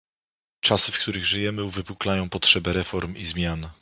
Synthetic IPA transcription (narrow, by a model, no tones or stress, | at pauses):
t͡ʂasɘfkt̪uɾɘɣʐɘjɛmɘuvɘpuklajɔ̃w̃pɔtʂɛbɛɾɛfɔɾmizmʲjan